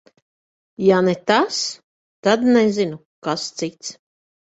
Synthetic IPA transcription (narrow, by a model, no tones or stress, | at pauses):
janɛt̪as | t̪ad̪nɛzinu | kast̪sit̪s